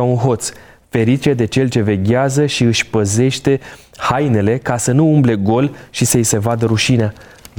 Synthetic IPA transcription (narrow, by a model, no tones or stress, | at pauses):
aunɦo̞t̪s | fe̞ɾit͡ʃe̞d̪e̞t͡ʃe̞lt͡ʃe̞ve̞ɡʲazəʃiɨʃʲpəze̞ʃt̪e̞ | hajne̞le̞kasənuumble̞ɡo̞lʃisəise̞vad̪əɾuʃinea